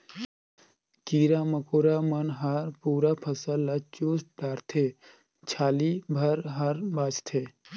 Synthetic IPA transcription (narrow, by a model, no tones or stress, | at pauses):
kiːɾaməkoːɾamənɦəɾpuːɾapʰəsəlːat͡ʃuːsɖaːɾt̪ʰe | t͡ʃʰaːlibʱəɾɦəɾbaːt͡ʃt̪ʰeː